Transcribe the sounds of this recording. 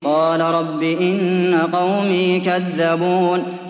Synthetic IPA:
qɑːlaɾˤɑbːiʔɪnːaqɑwmiːkaðːabuːn

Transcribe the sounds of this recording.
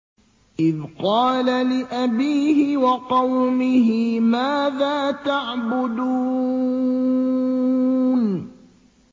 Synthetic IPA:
ʔɪðqɑːlalɪʔabiːhɪwɑqɑwmɪɦɪmaːðaːt̪aʕbʊd̪uː | n

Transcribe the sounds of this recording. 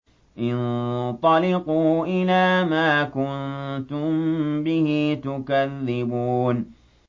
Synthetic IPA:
ʔɪnt̪ˤɑlɪquːʔɪlaːmaːkʊnnt̪ʊmbɪhit̪ʊkaðːɪbuːn

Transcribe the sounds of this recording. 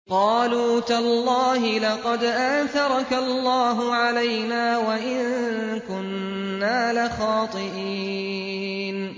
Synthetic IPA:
qɑːluːt̪alːɑːɦɪlɑqɑd̪ʔaːθɑɾˤɑkalːɑːɦʊʕalajnaːwaʔɪŋkʊnː | aːlaxɑːt̪ˤɨʔiː | n

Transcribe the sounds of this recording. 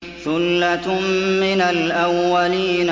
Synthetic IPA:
θʊlːat̪mmɪnalʔawːaliːn

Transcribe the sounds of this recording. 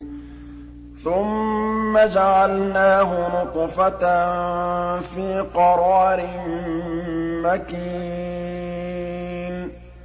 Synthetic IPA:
θʊmːad͡ʒaʕalnaːɦʊnʊt̪ˤfat̪nfiːqɑɾˤɑːɾɪm | makiː | n

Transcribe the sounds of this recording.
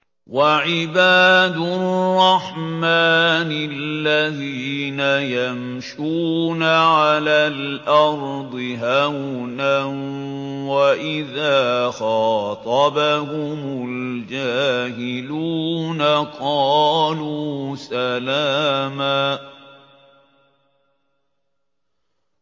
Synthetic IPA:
waʕɪbaːd̪ʊrːɑħmaːnɪlːaðiːnajam | ʃuːnaʕalaːlʔɑɾˤd̪ˤɨɦawna | waʔɪðaːxɑːt̪ˤɑbahʊmʊld͡ʒaːhɪluːnaqɑːluːsalaːmaː

